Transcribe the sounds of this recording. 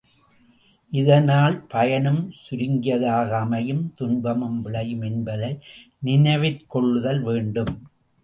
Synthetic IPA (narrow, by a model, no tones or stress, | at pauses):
ʔɪðɐnaːlpɐjɐɳɯmsʊɾɪŋɡɪjɐðaːɣɐːmɐjɯmt̪ʊnbɐmɯmʋɪɭɐjɯmɛnbɐðɐɪ | nɪnɐɪʋɪɾkɔɭːɯðɐlʋeːɳɖɯm